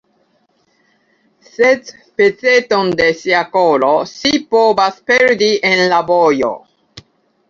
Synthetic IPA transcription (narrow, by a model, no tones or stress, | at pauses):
set̪ | pet͡set̪ond̪esiakolosipovaspeɾd̪ienlabojo̰